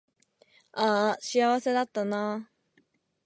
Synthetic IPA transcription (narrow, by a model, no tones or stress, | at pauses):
aɕiaβase̞d̪at̪ːana